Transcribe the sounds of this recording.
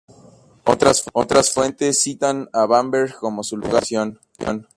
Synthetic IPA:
o̰t̪ɾasfwe̞nt̪esːit̪anaβambeɾko̞mo̞sulṵɣasjon | o̰n

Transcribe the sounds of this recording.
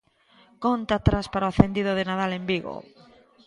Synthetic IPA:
kont̪aːt̪ɾaspaɾaoaθend̪ið̞oðenaðalembiɣo̰

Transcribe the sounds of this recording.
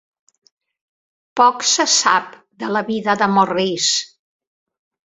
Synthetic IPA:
pɔksəsap̚ | d̪ələβiðəðəmoris

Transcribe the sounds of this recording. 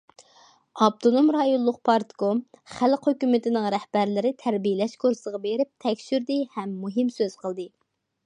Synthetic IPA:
ɑb̚t̪ʰonomɾɑjonlˠʊq̚pʰɑɾt̪komχælqhøkʲymɪt̪ʰɪnɨŋɾɛhbæɾlɪɾɪt̪ʰæɾbijɪlɛʃkʰuɾsəʁɑbeɾɪp̚t̪ʰɛkʲʃyɾd̪ɨhɛmːuɦɨmsøz̥qʰəlˠd̪ɨ

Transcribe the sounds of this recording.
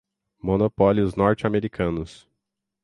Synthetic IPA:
monopɔljʊznɔɾt͡ʃameɾikʰɐ̃nʊs

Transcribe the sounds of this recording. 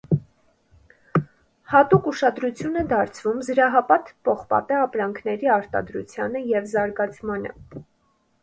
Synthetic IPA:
hɑt̪ukuʃɑd̪ɾut͡sʰjunɛd̪ɑɾt͡sʰvumzəɾɑɦɑpɑt̪pɔχpɑ̰t̪ɛɑpɾɑŋkʰnɛɾiɑɾt̪ɑ̰d̪ɾṵt͡sʰjɑnəjɛvzɑɾɡɑt͡sʰmɑnə̰

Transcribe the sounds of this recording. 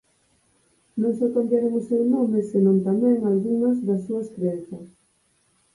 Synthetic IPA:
nõŋsokombjaɾeŋʊsewnomesenõnt̪amɛ̃ŋalɣuŋɐzðɐsːuɐskɾeenθɐs

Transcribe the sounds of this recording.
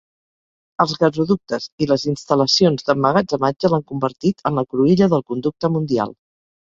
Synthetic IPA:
əlˠzɣəzuðuk̚t̪əziləzinst̪ələsionzðəmːəɣad͡zəmad͡ʒəlaŋkumbəɾt̪it̪ʰənləkɾuiʎəðəlˠkund̪uk̚t̪əmund̪ia̰lˠ

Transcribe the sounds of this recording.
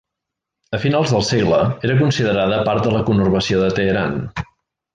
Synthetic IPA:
əfinalˠzðəlˠseɣləeɾək̬unsiðəɾaðəpaɾt̪̚d̪ələkunurβəsioðət̪əːɾan

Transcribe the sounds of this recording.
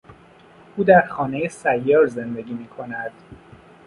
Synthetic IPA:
ʔuːd̪æɾxɒːnejesæjːɒːɾze̞nd̪e̞ɡʲiːmiːkʰo̞næd̪̥

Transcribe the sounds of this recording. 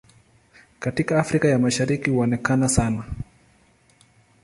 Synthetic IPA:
katikaːfɾikajamaʃaɾikihuɔnɛkanasana

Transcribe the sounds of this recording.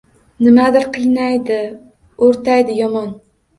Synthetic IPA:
nɪmad̪ɪɾqʰɨjnajd̪ɪ | oɾt̪ʰajd̪ɪjɒmɒn

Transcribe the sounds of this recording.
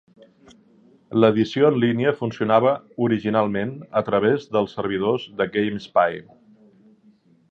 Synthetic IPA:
ləðisioənliniəfunsiunaβ̞əuɾiʒinalˠmenət̪ɾəβ̞ezðəlˠsːəɾβ̞iðozðəɡejmspaj

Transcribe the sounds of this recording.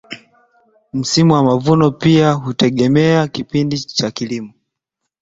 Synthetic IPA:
m̩simuwamavunɔpiaɦutɛɠɛmɛakipindit͡ʃakilimɔ

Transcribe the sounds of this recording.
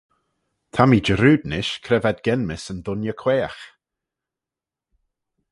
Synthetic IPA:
t̪ʰamiːd͡ʒəɾʉːd̪nɪʃkʰɾɛvɛd̪̚ɡɛnmɪsənd̪ʊnjəkʰw̥eːax

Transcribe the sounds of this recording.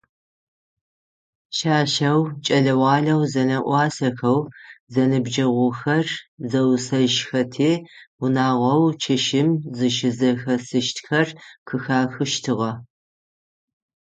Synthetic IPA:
ʃaːʃɐwt͡ʃʼɐɮɐwɑːɮɐwzɐnɐʔʷɑːsɐxɐwzɐnɨbd͡ʒɐʁʷʊxɐrzɐwsɐʒxɐtʰeːwʊnaːʁʷɐwt͡ʃʰɪʃɪmzɨʃɪzɐxɐsɨʃtxɐrkʰɨxaːxɨʃtʰɨʁɐ

